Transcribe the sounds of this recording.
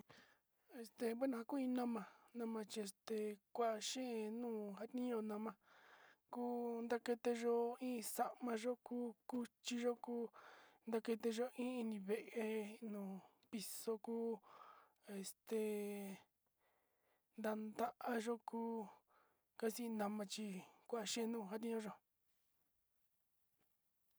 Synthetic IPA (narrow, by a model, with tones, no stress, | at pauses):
e˨st̪e˧be˦nã˧a˧ku˦ĩ˧nã˦mã˧nã˧mã˧t͡ʃi˧e˧st̪e˨kʷa˦ʔa˧ʃẽ˦e˧nũː˦˨ɦa˦t̪nĩ˦o˧nã˧mã˧ku˦nd̪a˦ke˧t̪e˧ʒo˦ĩː˦˧sa˧ʔmã˧ʒo˦kuː˦ku˦t͡ʃi˧ʒo˦kuː˦nd̪a˧ke˧t̪e˧ʒo˧ĩ˦i˧nĩ˧βe˨ʔe˧nũː˨ | pi˧so˧kuː˦ | e˧˨st̪e˨ | nd̪a˧nd̪a˦ʔa˧ʒo˦kuː˦ | ka˦si˦˧nã˧mã˧t͡ʃi˧kʷa˦a˧ʃẽ˦˧nũː˦˧˨ɦa˦t̪ĩ˧˦õ˧ʒo˧